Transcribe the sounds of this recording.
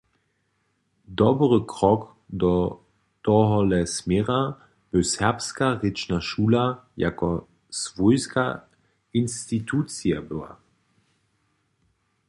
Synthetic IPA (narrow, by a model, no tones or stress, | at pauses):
d̪ɔbʁəkʁɔk | d̪ɔ | t̪ɔɦɔlɛsmɛʁa | b̥əsɛʁpskaʁɪt͡ʃnaʃuːlaja̰kɔ | svɔjska | inst̪it̪ʰuːt͡siabəwa̰